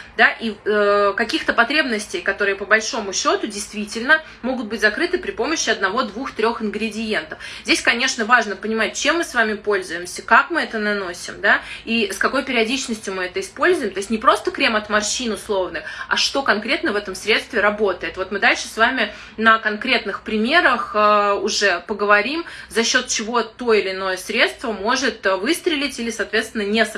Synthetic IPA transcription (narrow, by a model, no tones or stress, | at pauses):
d̪aʔiəkɐkʲixt̪əpɐt̪ɾʲe̞bnəsʲtʲɪjkɐt̪o̞ɾɨjɪpəbɐlʲʂo̞mʊɕːo̞t̪ʊdʲɪjst̪vʲitʲɪlʲnə | mo̞ɡʊt̪̚bɨtʲzɐkɾɨt̪ɨpɾʲɪpo̞məɕːɪɐd̪nɐvo̞d̪vuxt̪ɾʲo̞xɪnɡɾʲɪdʲɪje̞nt̪əfzʲdʲesʲkɐnʲe̞ʂnəvaʐnəpənʲɪmat̚ʲt͡ɕe̞mːɨsvamʲɪpo̞lʲzʊjɪmsʲəkakmɨɛt̪ənɐno̞sʲɪ̰md̪aiskɐko̞jpʲɪɾʲɪɐdʲit͡ɕnəsʲtʲjʊmɨɛt̪əɪspo̞lʲzʊjɪmt̪o̞ɪsʲtʲnʲɪpɾo̞st̪əkɾʲemɐt̪mɐrɕinʊslˠo̞vnɨxɐ̰ʂt̪o̞kɐnkɾʲe̞t̪nəvɛt̪əmsɾʲe̞t̪st̪vʲɪɾɐbo̞t̪əjɪt̪vo̞t̪mɨd̪alʲʂɨ̥svamʲɪ | nəkɐnkɾʲe̞t̪nɨxpɾʲɪmʲe̞ɾəxʊʐɛpəɡəvɐɾʲimzɐɕːo̞t̪̚t͡ɕɪvo̞t̪o̞ɪlʲɪno̞jəsɾʲe̞t̪st̪vəmo̞ʐɨt̪vɨst̪ɾʲɪlʲɪtʲilʲɪsɐːt̪vʲest̪vʲɪnːənʲe